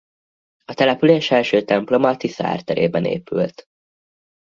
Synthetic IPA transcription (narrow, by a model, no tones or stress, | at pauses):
ɒt̪ɛlɛpyleːʃɛlʃøːt̪ɛmplo̞mɒt̪isa̰ːrt̪ɛɾḛːbɛnḛːpy̰lt̪